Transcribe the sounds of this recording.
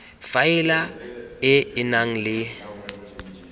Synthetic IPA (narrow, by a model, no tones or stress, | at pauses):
faɪlaɪɪnaŋ̩lɪ